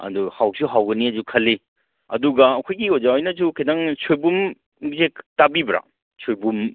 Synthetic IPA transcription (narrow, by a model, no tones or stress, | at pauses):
ɐ̰duhawsʰuɦawɡɐniɐzukʰɐlːi | ɐ̰duɡaːkʰɔjɡiozawajnɐzukʰajdaŋsʰojbum | ɡzektabibɾa̰ | sʰojbum